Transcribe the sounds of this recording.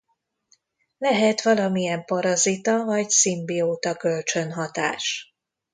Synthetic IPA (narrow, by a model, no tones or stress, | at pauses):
lɛɦɛt̪ʋɒlɒmiɛmpɒɾɒzit̪ɒvɒɟsimbioːt̪ɒkø̞lt͡ʃø̞nɦɒt̪a̰ːʃ